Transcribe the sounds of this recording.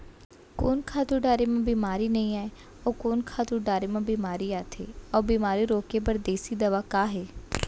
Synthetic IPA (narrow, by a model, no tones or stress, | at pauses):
koːnkʰaːt̪uːɖaːɾeːmãːbiːmaːɾiːnəĩːɛː | oːkoːnkʰaːt̪uːɖaːɾeːmãːbiːmaːɾiːaːt̪ʰḛːɔːbiːmaːɾiːɾoːkeːbəɾd̪eːsiːd̪əʋaːkaːɦeː